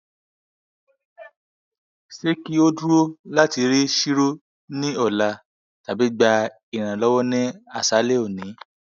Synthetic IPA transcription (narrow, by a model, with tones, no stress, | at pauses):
se˦ki˦o˦du˦o˦la˦ti˨˧˦ɾi˦ʃi˦ɾo˦ | nĩ˦ɔ˦˨la˨˧ | ta˨bi˨˦ɡ͡ba˧ | i˨ɾ̃ã˨lɔ˦wɔ˦nɛ̃˦a˦˨sa˨˦le˦o˦˨nĩ˨˦